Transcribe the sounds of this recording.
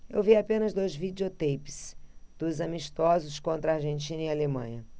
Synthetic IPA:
ḛwviapẽnɐzd̪ojzvid͡ʒiot̪ejpi̥sd̪̥ʊzɐmiʃt̪ɔzʊskõnt̪ɾɐaɾʒẽnt͡ʃĩnɐialemɐ̰̃ɲɐ

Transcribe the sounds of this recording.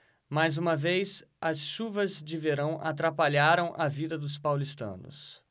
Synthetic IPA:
majzũmɐvejzɐsʃuvɐzd͡ʒɪveɾɐ̃w̃ʔat̪ɾapaʎaɾɐ̃w̃ʔɐvid̪ɐd̪ʊs̬pawlist̪ɐ̰̃nʊ̰s

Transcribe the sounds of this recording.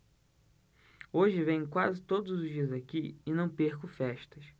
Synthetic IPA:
oʒɪvẽj̃kwazɪt̪od̪ʊzʊʒd͡ʒiɐzakiɪnɐ̃w̃peɾkʊfɛʃt̪ɐs

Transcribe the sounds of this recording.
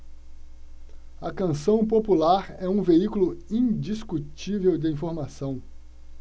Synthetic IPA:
ɐkɐ̃sɐ̃w̃populaɾɛũveikulʊĩd͡ʒiskut͡ʃivewd̪ɪĩfoɾmasɐ̃w̃

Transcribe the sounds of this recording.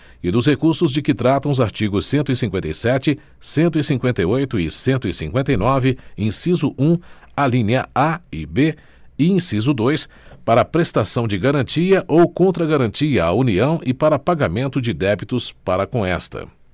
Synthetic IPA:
ɪd̪ʊshekuɾsʊzd͡ʒɪkɪt̪ɾat̪ɐ̃w̃ʊzaɾt͡ʃiɡʊsːẽnt̪ʊɪsĩŋkwẽnt̪ejsɛt͡ʃɪ | sẽnt̪ʊisĩŋkwẽnt̪ɐjojt̪ʊɪsẽnt̪ʊisĩŋkwẽnt̪ejnɔvɪĩsizʊʔũ | alĩɲɐaɪbe | ɪĩsizʊd̪ojs | paɾɐapɾest̪asɐ̃w̃d͡ʒɪɡaɾɐ̃nt͡ʃiɐʔowkõnt̪ɾɐɡaɾɐ̃nt͡ʃiɐauniɐ̃w̃ʔɪpaɾɐpaɡamẽnt̪ʊd͡ʒɪd̪ɛbit̪ʊspaɾɐkõɛst̪ɐ̰

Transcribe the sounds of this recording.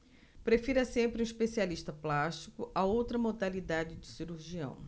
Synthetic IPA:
pɾefiɾɐsẽmpɾɪũiʃpesialiʃt̪ɐplaʃt͡ʃikʊʔɐowt̪ɾɐmod̪alid̪ad͡ʒɪd͡ʒɪsiɾuɾʒiɐ̰̃w̃

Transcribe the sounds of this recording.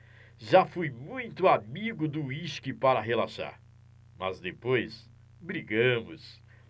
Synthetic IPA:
ʒafujmũj̃t̪ʊamiɡʊd̪ʊiʃkɪpaɾɐɦelaʃa̰ɾ | mɐzd̪epojs | bɾiɡɐ̃mʊs

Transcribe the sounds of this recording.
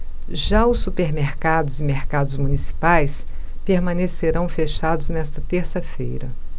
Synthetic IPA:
ʒaʊsːupeɾmeɾkad̪ʊzɪmeɾkad̪ʊzmunisi̥pajs | peɾmɐ̃neseɾɐ̃w̃feʃad̪ʊznɛst̪ɐt̪eɾsɐfḛjɾɐ̰

